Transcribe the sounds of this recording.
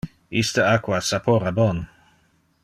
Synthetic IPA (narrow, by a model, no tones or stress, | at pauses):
ist̪əakwasapʰoɾabon